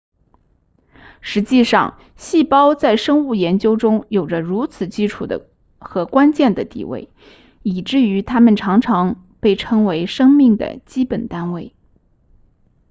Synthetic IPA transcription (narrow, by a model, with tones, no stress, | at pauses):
ʂɻ̩˧˥t͡ɕi˥˧ʂɑ̰˥˧ŋ | ɕi˥˩pɑ˥ʊt͡sa˥˩ɪʂɤ˥ŋu˥˩jɛ˧˥nt͡ɕjo˥ʊʈ͡ʂʊ˥ŋjo˨˩ʊʈ͡ʂə˦ɻu˧˥t͡sʰɹ̩˨˩t͡ɕi˥ʈ͡ʂʰṵ˨˩d̪ə̰˦ | xɤ˧˥kwa˥nt͡ɕjɛ˥˩nd̪ə˩t̪ḭ˨˩wḛ˥˩ɪ | i˨˩ʈ͡ʂɻ̩˥˩y˧˥t̪ʰa˥mə˨nʈ͡ʂʰɑ˧˥ŋʈ͡ʂʰɑ˧˥ŋ | pe˥˩ɪʈ͡ʂʰɤ˥ŋwe˧˥ɪʂɤ˥ŋmi˥˩ŋd̪ə̰˩t͡ɕi˥pə˨˩nt̪a˥nwe˥˩ɪ